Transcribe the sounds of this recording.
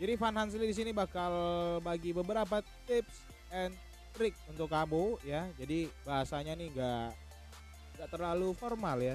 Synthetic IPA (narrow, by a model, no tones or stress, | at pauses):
d͡ʒadifanhans̬ilidis̬inibakalbaɡibəbəɾap̬at̪ɪps | ɛn | t̪ɾɪk̚unt̪ʊkːabojad͡ʒadibaɦasaɲaniŋɡa | ŋɡaʔt̪ərlaluformalja